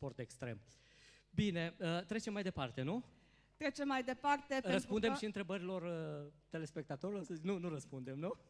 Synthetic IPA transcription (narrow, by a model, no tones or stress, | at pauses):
po̞rt̪ekst̪ɾe̞m | bine̞ət̪ɾet͡ʃemːajd̪e̞part̪e̞nu | t̪ɾe̞t͡ʃe̞mːajd̪e̞part̪e̞reəspund̪emʃiɨnt̪ɾe̞bəɾilo̞rət̪e̞le̞spe̞k̚t̪at̪o̞ɾilo̞rsəzinunuɾəspund̪e̞mnu